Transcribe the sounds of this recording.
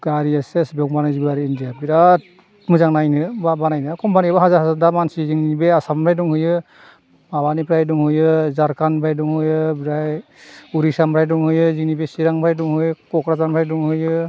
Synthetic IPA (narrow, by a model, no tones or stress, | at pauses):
ɡaɾiasesbɔŋbanajzibaɾiindijabiɾat̚ | mɯzaŋnajnɯbabanajnɯkɔmpaniabaɦazaɾɦazaɾdamansiziŋnibeasampʰɾajduŋhɯjɯ | maβanipɾajduŋhɯjɯzaɾkanpʰɾajduŋɦɯjɯbɾaj | uɾisampʰɾajduŋhɯjɯziŋnibesiɾaŋpʰɾajduŋhɯjɯkɔkɾazampʰɾajduŋhɯjɯ